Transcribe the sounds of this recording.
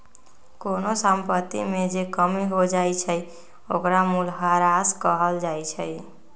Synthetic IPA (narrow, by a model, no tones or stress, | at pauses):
konosəmpət̪ḭmed͡ʒekəmiɦod͡ʒajt͡ʃʰəj | okɾamulɦaɾaskəɦəld͡ʒajt͡ʃʰəj